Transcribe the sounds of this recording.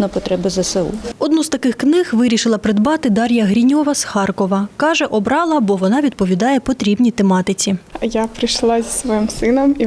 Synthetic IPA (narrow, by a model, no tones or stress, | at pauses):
nɐpɔt̪ɾɛbɪzɐsɛṵɔd̪nuzt̪ɐkɪxknɪɣʋɪɾʲiʃɪlˠɐpɾɪd̪bɑt̪ɪd̪ɑɾʲjɐɦɾʲinʲɔʋɐsxɑrkɔʋɐkɑʒɛʔɔbɾɑlˠɐbɔʋɔnɑʋʲid̪̚pɔʋʲid̪ɑjɛpɔt̪ɾʲibnʲit̪emɑt̪ɪt͡sʲijapɾɪjʃlˠɑzʲisʋɔimsɪnɔmi